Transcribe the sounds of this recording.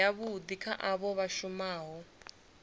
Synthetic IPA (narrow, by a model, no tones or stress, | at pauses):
aβud̪ikʰaʔaβɔβaʃumaːɦɔ